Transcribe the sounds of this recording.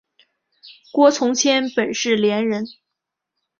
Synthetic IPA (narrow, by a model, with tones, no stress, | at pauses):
kwɔ˥t͡sʰʊ˧˥ŋt͡ɕʰjɛ˥npə˨˩nʂɻ̩˥˩ljɛ˧˥nɻə˧˥n